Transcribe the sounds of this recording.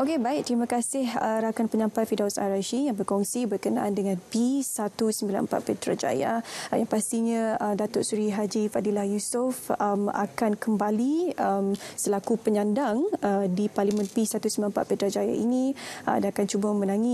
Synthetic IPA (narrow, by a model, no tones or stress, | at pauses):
ʔokebaɪʔ̚t̪ɾimãkasɪɦəɾakanpəɲampat̪̚fidawsa̰ɾaʃijaŋbərkɔŋsibərkənaʔandəŋãnpisat̪usəmbila̰nmpa̰t̪̚pet̪ɾa̰d͡ʒa̰ja̰jaŋpast̪iɲãədat̪ʊʔsuɾiɦad͡ʒifadilahjusʊfəma̰kankəmbaliəmsəlakupəɲãndaŋədiparlimə̃npisat̪usəmbilanmpa̰ʔ̪̚pet̪ɾad͡ʒaja̰inĩa̰danakant͡ʃubamə̃nãŋi